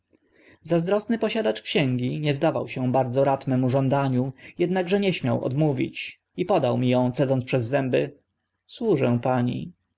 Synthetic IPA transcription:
zazd̪ɾɔsnɘpɔɕad̪at͡ʂkɕɛ̃ŋɡʲiɲɛzd̪ava̰wɕɛbaɾd̪zɔɾat̪mɛmuʐɔ̃nd̪aɲujɛd̪naɡʐɛɲɛɕmʲja̰wɔ̰d̪muvʲḭt͡ɕ | ipɔd̪awmʲijɔ̃w̃t̪sɛd̪ɔnpʂɛzːɛmbɘ | swuʐɛ̃paɲḭ

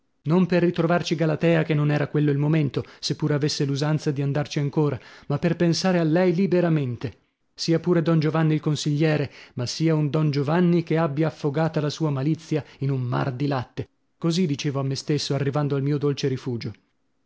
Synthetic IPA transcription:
nomperːit̪ɾovart͡ʃiɡalat̪ɛːakenːonɛːɾakwelːoilmoment̪osepːuːɾeavesːeluzant̪sad̪iand̪art͡ʃiaŋkoːɾamapːerpensaːɾealːɛjlibeɾament̪e | siːapuːɾed̪ɔnd͡ʒovanːilkonsiʎːɛːɾemasiːaund̪ɔnd͡ʒovanːikeabːjaːfːoɡaːt̪alasuːamalit̪sːjainumma̰rd̪ilat̪ːe | kozid̪it͡ʃeːvoamːest̪esːoarːivand̪oalmiːod̪olt͡ʃeɾifuːd͡ʒo

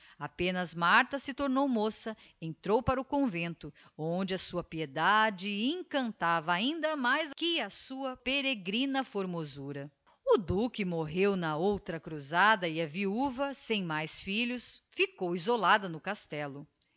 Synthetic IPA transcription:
apẽnɐzmaɾt̪ɐsɪt̪oɾnowmosɐẽnt̪ɾowpaɾʊkõvẽnt̪ʊõnd͡ʒɪɐsuɐpied̪ad͡ʒɪẽŋkɐ̃nt̪avɐaĩnd̪ɐmajzkɪɐsuɐpeɾeɡɾĩnɐfoɾmozuɾɐ | ʊd̪ukɪmoɦewnɐowt̪ɾɐkɾuzad̪ɐɪɐviuvɐsẽj̃majsfiʎʊsfikowizolad̪ɐnʊkast̪ɛlʊ

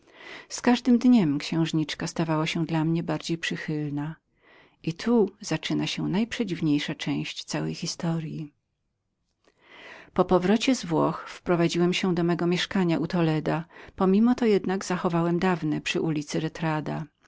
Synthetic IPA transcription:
skaʐd̪ɘmd̪ɲɛmkɕɛ̃w̃ʐɲit͡ʂkast̪avawaɕɛ̃d̪lamɲɛbaɾd͡ʑejpʂɘxɘlna | ʔit̪ʰuzat͡ʂɘnaɕɛnajpʂɛd͡ʑivɲejʂat͡ʂɛ̃w̃ɕt͡ɕt̪sawɛ̰jxʲist̪ɔɾji | pɔpɔvɾɔt͡ɕɛzvwɔ̰xfpɾɔvad͡ʑiwɛmɕɛd̪ɔmɛɡɔmʲjɛʂkaɲaʔut̪ɔlɛd̪apɔmʲimɔt̪ɔjɛd̪naɡzaxɔvawɛmd̪avnɛpʂɘʔulʲit̪sɘɾɛt̪ɾad̪a̰

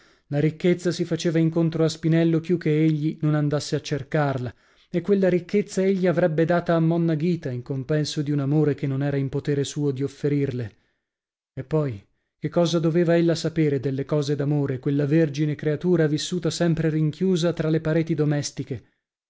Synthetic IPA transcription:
laɾikːet̪sːasifat͡ʃeːvaiŋkont̪ɾoaspinɛlːopjukːeeʎːinonand̪asːeat͡ʃːerkarla | ekːwelːaɾikːet̪sːaeʎːiavɾɛbːed̪aːt̪aːmːɔnːaɡiːt̪aiŋkompɛnsod̪iunamoːɾekenːonɛːɾaimpot̪ɛːɾesuːod̪iofːeɾirle | epːɔj | k̟ekːɔːzad̪oveːvaelːasapeːɾed̪elːekɔːzed̪amoːɾekwelːaverd͡ʒinekɾeat̪uːɾavisːuːt̪asɛmpɾeriŋkjuːzat̪ɾalːepaɾɛːt̪id̪omɛst̪ike

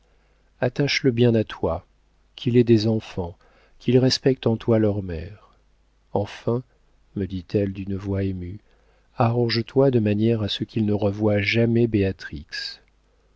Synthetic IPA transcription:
at̪aʃləbjɛ̃at̪wa | kʰilɛd̪ɛzɑ̃fɑ̃ | kʰʲilʁɛspɛk̚t̪ɑ̃t̪walœʁmɛʁ | ɑ̃fɛ̃ | məd̪it̪ɛld̪ynvwaemy | aʁɑ̃ʒt̪wad̪əmanjɛʁasəkʲilnəʁəvwaʒamɛbeat̪χiks

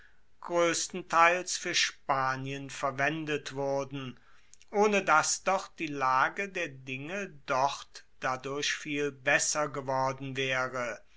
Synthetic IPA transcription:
ɡ̥ʁøːstn̩tʰaɪlsfyːɐʃpaːniənfɛɐvɛndətv̥ʊɐdn̩ | ʔoːnədasd̥ɔχd̥iːlaːɡədeːɐdɪŋədɔχtd̥adʊɐɕfiːlbɛsɐɡəvɔɐdn̩vɛːʁə

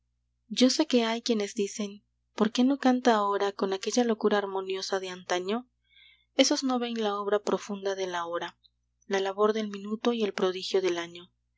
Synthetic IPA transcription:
d͡ʒo̞se̞ke̞ajkje̞ne̞zd̪ise̞n | po̞ɾke̞no̞kant̪aːo̞ɾako̞nake̞ʝalo̞kuɾaːɾmo̞njo̞saðe̞ant̪aɲo̞ | e̞so̞zno̞βe̞nlao̞βɾapɾo̞fund̪aðe̞lao̞ɾa | lalaβo̞ɾðe̞lmĩnut̪o̞ie̞lpɾo̞ðixjo̞ðelaɲo̞

